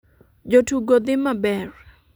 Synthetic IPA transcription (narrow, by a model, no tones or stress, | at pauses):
d͡ʒotuɡod̪ɪmabɛr